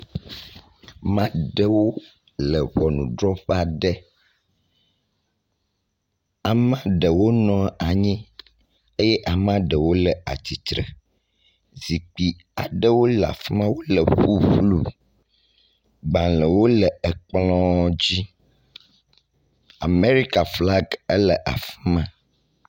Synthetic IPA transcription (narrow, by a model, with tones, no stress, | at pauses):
mã˦ɖɛ˦wo˦ | lə˨βɔ˨nũ˨ɖɾɔ˦ɸa˨ɖɛ˦ | a˨mã˦ɖə˨wo˦nɔ̃˦a˨ɲĩ˦ | e˦jɛ˦ʔa˨mã˦ɖə˨wo˦lɛ˨a̰˨t̪i˨t̪ɾɛ̰˨ | zi˨k͡pi˨ | a˨ɖə˦wo˦la̰˨fi˦mã˦wo˦lə˨ɸu˦ɸlu˨ | bã˨lə˨wo˦lɛ˨ɛ˨k͡plɔ̃˦d͡ʑi˦ | a˨me˦ɾi˦ka˨fla˦ɡə˦lə˨ʔa̰˨fi˦mã˦